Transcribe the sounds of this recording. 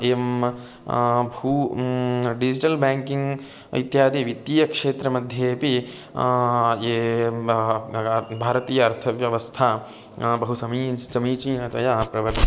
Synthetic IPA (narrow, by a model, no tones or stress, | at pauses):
em | buː | ɖid͡ʒiʈɐlbaːŋkiŋɡ | it̪jaːd̪iʋit̪ːijɐkʂeːt̪ɾɐmɐd̪ʱjeːpi | eː | bʱaːɾɐt̪iːjɐːɾt̪ʰɐʋjɐʋɐst̪ʰaː | bɐɦusɐmiːsɐmiːt͡ʃiːnɐt̪ɐjaːpɾɐʋɐɾ